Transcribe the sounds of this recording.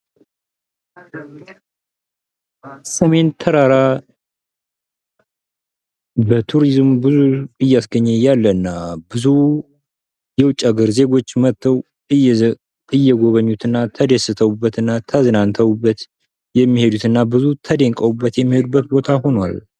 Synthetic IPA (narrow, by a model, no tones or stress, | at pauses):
səme̞nt̪ʰəɾaɾa | bət̪ʰuɾizmbɨzuɨjːasɡəɲːɛjalːəɨnːabɨzu | jɛwʊt͡ʃʼaɡɨɾze̞ɡo̞t͡ʃːmət̪ʰːəw | ɨ | ɨjːɛɡo̞βəɲːut̪ɨnːat̪ʰəd̪esɨt̪ʰəwubːət̪ɨnːat̪ʰəznant̪ʰəwubːət̪ | jɛmːihe̞d̪ut̪ɨnːabɨzut̪ʰəd̪eŋkʼəwubːət̪jɛmːihe̞d̪ubːət̪̚bo̞t̪ʰaho̞nwa̰l